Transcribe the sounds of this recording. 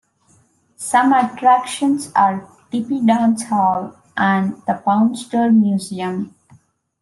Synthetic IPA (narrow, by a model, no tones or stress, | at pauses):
sʌ̃məʈɾækʃə̃nsaːɾ | ʈipiɖãːnsɔʋ | ʔæ̃ɳɖd̪əpãʊ̃nsʈəɾmjuːziə̃m